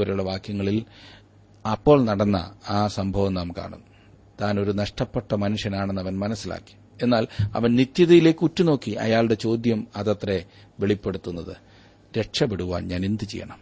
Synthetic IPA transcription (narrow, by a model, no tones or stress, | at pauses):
ʋɐɾɐjuɭːɐʋaːkjɐŋːɐɭil | ɐpːo̞ːɭnɐɽɐnːɐ̰aːsɐmbʱɐʋɐmnaːmka̰ːɳṵnːu | t̪aːno̞ɾunɐʂʈɐpːeʈːɐmɐnuʂjɐnaːɳenːɐʋɐnmɐnɐsːila̰ːkːi̥ | e̞nːaːlɐ̰ʋɐnnit̪jɐðɐjile̞ːkːɨutːuno̞ːkːiɐ̰jaːɭɽe̞t͡ɕo̞ːd̪jɐmɐðɐt̪re | ʋeɭipːe̞ɽut̪ːunːɐðɨ | ɾe̞ʈʂɐpeɽuʋa̰ːnɲaːnend̪ɨt͡ɕḛjːɐ̰ɳɐm